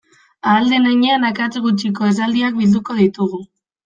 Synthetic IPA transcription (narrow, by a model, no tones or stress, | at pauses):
aːld̪enaɲeanakat͡seɣut͡ʃiko̞es̬ald̪iak̚bild̪uko̞ðit̪uɣ̞u